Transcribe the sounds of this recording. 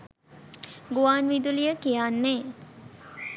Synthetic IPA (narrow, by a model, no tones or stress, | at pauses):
ɡuʋaːnʋid̪ulijəkijaːnːeː